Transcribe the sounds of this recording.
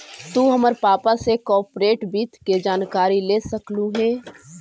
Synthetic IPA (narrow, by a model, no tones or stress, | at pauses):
t̪uːɦəməɾpaːpasekɔːɾpɾeːʈbiːt̪ked͡ʒaːnkaːɾileːsəkluɦɛː